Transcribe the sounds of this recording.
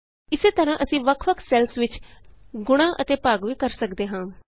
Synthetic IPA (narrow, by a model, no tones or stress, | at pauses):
ɪseːt̪əɾãːʔəsĩːʋəkʰʋəkʰsɛːlsʋɪt͡ʃɡʊɽ̃ãːʔət̪eːpaːɡʋiːkəɾsəkd̪eːɦãː